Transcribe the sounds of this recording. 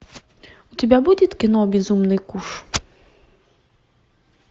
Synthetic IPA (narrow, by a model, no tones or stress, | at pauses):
utʲibʲabud̪ʲit̪kɪnɔbʲizumnɪjkuʃ